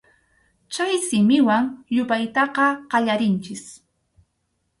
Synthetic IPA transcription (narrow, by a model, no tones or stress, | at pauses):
t͡ʃajsɪmɪwaŋʎʊpajt̪ɑqɑqɑʎaɾɪnt͡ʃɪs